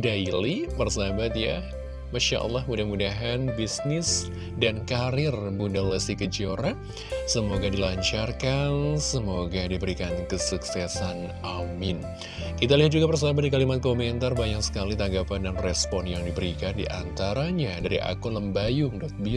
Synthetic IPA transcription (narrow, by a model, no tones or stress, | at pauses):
dailipərsabat̪ja | maʃa̰ʔə̰lˠːɑhmudahmudaɦanbisnɪs | dankaɾɪrbundaləsikəd͡ʒoɾa | səmoɡadilaɲt͡ʃarkansəmoɡadibəɾikankəsuksɛsan | ʔamɪn | kit̪aliɦat̪̚d͡ʒuɡapərs̬abat̪̚dikalimat̪̚komɛnt̪arbajaŋsə̥kalit̪aŋɡapandanrɛspɔnjaŋdibəɾikandḭʔant̪aɾaɲadaɾḭʔa̰kʊnləmbajʊŋdɔt̪̚bi